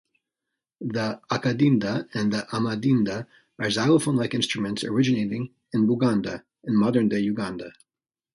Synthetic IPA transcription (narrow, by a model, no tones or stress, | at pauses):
ðiakɨdĩndəɨ̃nðiʔamadĩndə | ə˞zaɪllˠəfõnlaɪkɪ̃nstɹ̥ɨmɨ̃ntsə̰˞ɪd͡ʒɨneɪɾɪ̃ŋ | ɨ̃nbuɡɑ̃ndə | ɨ̃nmɑðə̃˞ndeɪjʉɡɑ̃ndə